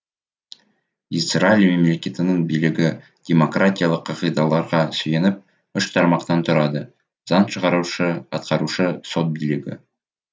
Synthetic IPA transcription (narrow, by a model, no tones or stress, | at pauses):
isralʲime̞mle̞kʲe̞t̪ɪnəɴbijlɪɡʲɪ | d̥ʲe̞mo̞kratʲijalˠəqʰːɑʁəjd̪ɑlˠɑɾʁɑsɵje̞nɪp̚ | ʏʃt̪ʰɑɾmɑqt̪ɑnt̪ʰʊɾɑd̪ə | z̥ɑnʃəʁɑɾuʃəɑ̰t̪̚qɑɾuʃəso̞t̪̚bijlɪɡʲɪ̰